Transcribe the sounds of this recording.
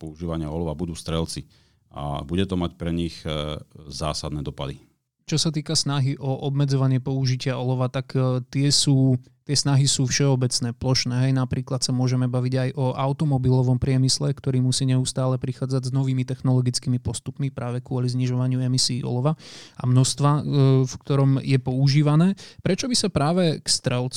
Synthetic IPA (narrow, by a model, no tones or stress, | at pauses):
pɔuʒiːʋaɲɪaɔlɔʋabud̪uːst̪ɾɛlt͡si | a̰buɟɛt̪ɔmacpɾɛɲix | za̰ːsad̪nɛːd̪ɔpad̪i | t͡ʃɔsat̪̬iːkasnaɦiʔɔʔɔbmɛd͡zɔʋaɲɪɛpɔuʒicɪaɔlɔʋat̪akt̪ɪɛsuː | t̪ɪɛsnaɦisuːfʃɛɔbɛt͡snɛːplɔʃnɛːɦɛjnapɾiːklat̪samʊɔʒɛmɛbaʋiɟajʔɔʔaʊt̪ɔmɔbilɔʋɔmpɾɪɛmislɛkt̪ɔɾiːmusiːɲɛust̪aːlɛpɾixaːd͡zaɟznɔʋiːmit̪ɛxnɔlɔɡit͡skiːmipɔst̪upmipɾaːʋɛkʊɔlizɲiʒɔʋaɲɪuɛmisiːɔ̰lɔʋaa̰mnɔst̪ʋafkt̪ɔɾɔmjɛpɔuʒiːʋanɛːpɾɛt͡ʃɔbisapɾaːʋɛkst̪ɾɛlt͡s